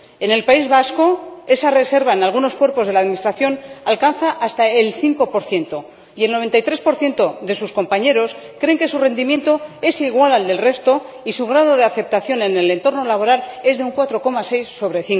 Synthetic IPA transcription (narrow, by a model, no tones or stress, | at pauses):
e̞ne̞lpaizβasko̞e̞sare̞se̞ɾβaenalɣ̞uno̞skwe̞ɾpo̞zðe̞laðminist̪ɾaθjo̞nalkanθaʔast̪ae̞lθiŋko̞po̞ɾθje̞nt̪o̞ | ielno̞β̞e̞nt̪ajt̪ɾe̞spo̞ɾθje̞nt̪o̞ðe̞susko̞mpaɲe̞ɾo̞s | kɾe̞ŋke̞sure̞nd̪imjẽ̞nt̪o̞e̞siɣ̞walald̪e̞lre̞st̪o̞ | isuɣɾað̞o̞ð̞eaθe̞p̚t̪aθjo̞ne̞ne̞le̞nt̪o̞ɾno̞laβo̞ɾale̞zðeuŋkwat̪ɾo̞ko̞mase̞jsːo̞β̞ɾe̞θiŋko